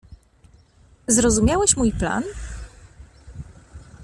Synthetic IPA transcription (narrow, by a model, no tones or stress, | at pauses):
zɾɔzumʲjawɛɕmujpla̰n